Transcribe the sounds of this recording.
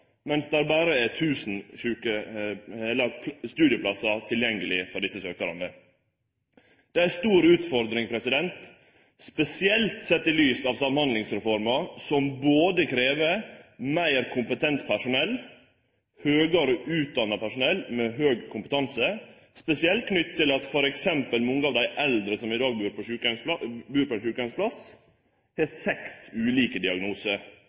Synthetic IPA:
mɛnsd̪ɛæːɾbɑːɾəæt̪ʰʉːsn̩ʃʉːkə | ɛlːəɾpʰst̪ʉːd̪ɪəpʰlɑsɑt̪ʰɪljɛŋɡəlɪfɔɖɪsəsøːkəɾə̰nə | d̪̥ɛæst̪uːɾʉːt̪fɔɾd̪ɾɪŋpʰɾɛsɪd̪ɛnt̪ | spɛsɪɛlt̪sɛt̪ːɪlyːsɑːʋsɑmhɑnd̪lɪŋsɾɛfɔɾmɑsɔmboːd̪əkʰɾeːʋəɾmæɪɾkʰʊmpət̪ʰɛnt̪pʰæʂʊnɛlː | høːɡəɾɔʔʉːt̪̚d̪ɑnːɑpæʂʊnɛlːmɛɦøːɡkʰʊmpət̪ʰɑnsə | spɛsɪɛlt̪̚kʰnʏt̪ːt̪ʰːɪlɑt̪fɔɾɛksɛmpəlnɔŋːəɑːʋd̪æɪʔɛld̪ɾəsɔmɪd̪ɑːɡ̚bʉːɾpʰɔʃʉːkɑbʉːɾpʰɔɛnʃʉːkɑnspʰlɑs | hɛsɛksʉːliːkəd̪ɪɑɡnuːsəɾ

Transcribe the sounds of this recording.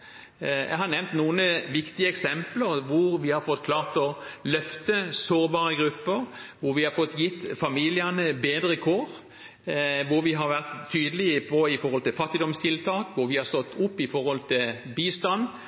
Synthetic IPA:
jɛ̰hɑɾnɛʋnt̪nuːənəʋɪkt̪ɪəɛksɛmpləɾʋʊɾʋɪhɑɾfɔt̪ːkʰlɑːʁt̪ɔlœft̪əsoːɾbɑːɾəɡɾʉpːəɾʋʊɾʋɪhɑɾfɔt̪ːjɪt̪ːfɑmiːlɪɑnəbeːd̪ɾəkʰoːʁ | ʋʊɾʋɪɦɑɾʋæʁt̪ʰːyːd̪əlɪəpʰɔɪfɔɾhɔlt̪ɪlfɑt̪ːɪd̪ɔmst̪ʰɪlt̪ʰɑːkʋʊɾʋɪhɑʁst̪ɔt̪ːʊpːɪfɔɾhɔlt̪ʰɪlbiːst̪ɑn

